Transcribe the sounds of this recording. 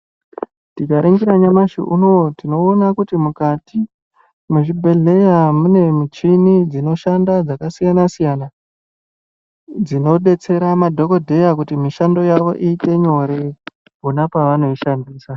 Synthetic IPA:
tit͡ʃaɾeŋɡiɾaɲamaʃḭʔṵno̞tino̞ːnakutimukati | muʐibʱe̞ɮe̞jamune̞mit͡ʃinid͡zino̞ʃandad͡zakasijanasijana | d͡zino̞ɗe̞t͡se̞ɾamadʱo̞ko̞dʱe̞jakutimiʃando̞jaʋo̞̰ʔiːte̞ɲo̞ɾe | ɦunapaʋano̞iʃandiːsa

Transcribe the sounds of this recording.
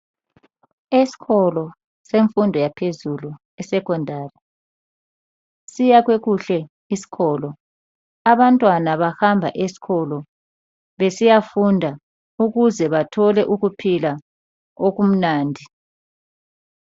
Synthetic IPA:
esi̥ɣɔlɔ | seɱfundʱɔjapʰezulu | ɛsɛkʰɔndʱaːri | sijaɣ̬weɣuɬɛ | isi̥ɣɔːlɔ | aβantʼwanaβaxambʱa̰ʔesi̥ɣɔlɔ | βesijafundʱa | uɣuzɛβatʰɔlɛʔuɣupʰila | oɣ̬um̩naːndʱi

